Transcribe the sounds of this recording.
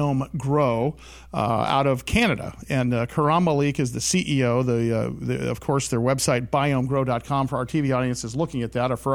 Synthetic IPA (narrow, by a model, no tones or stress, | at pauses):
õʊ̃mɡɹoʊ | a̰ʊɾʌv̥kʰænɨɾɨ̰ɨ̃nkʰə˞ɑməlikɨzðɨsiʔioʊðɨðɨ̰ʌ̰v̥kʰɔɹsðə˞wɛb̥saɪt̚b̥aɪõʊ̃mɡɹoʊdɑt̚kʰɑ̃mfə˞aʊə˞tʰiviɔɾiɨ̃nsɨzlʊkɪ̃ŋɨt̪̚ðɨɾəf